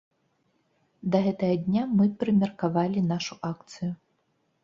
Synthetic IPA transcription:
d̪ɐɣɛt̪ɐɣɐd̪ʲnʲamɨpɾɨmʲɛrkavalʲinaʂuʔakt̪sɨju

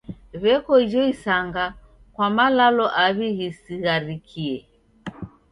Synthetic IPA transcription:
βɛkɔid͡ʒɔisaŋɡa | kwamalalɔʔaβihisiɣaɾikʰiɛ

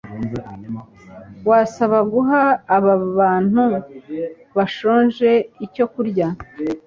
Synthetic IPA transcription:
wasaβaɡuɦaːβaβaːn̥hu | βaʃo̞ːnʒe̞ico̞kuɾɟa

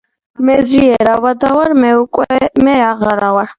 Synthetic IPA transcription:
mɛziɛɾawad̪awaɾmɛukʼwɛmɛaʁaɾawaɾ

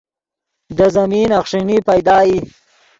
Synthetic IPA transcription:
d̪əzɐmiːnaxʂinipajd̪ɑːji

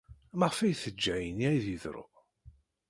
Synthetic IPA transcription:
məʁfæjθəd͡ʒːæjəniæjðiðɾo̰

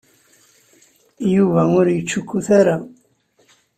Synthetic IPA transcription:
juvæʊɾjət͡ʃːʊkːuθaɾa

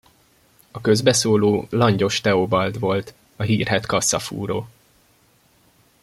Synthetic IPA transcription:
ɒkø̞zbɛsoːloːlɒɲɟo̞ʃt̪ɛobɒld̪ʋo̞lt̪ | ɒɦiːrɦɛt̪kɒsːɒ̰fṵːɾoː

